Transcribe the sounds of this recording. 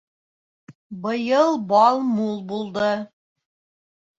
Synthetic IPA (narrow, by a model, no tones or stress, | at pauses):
bɤ̆jɤlˠbɑlˠmulˠbulˠd̪ɤ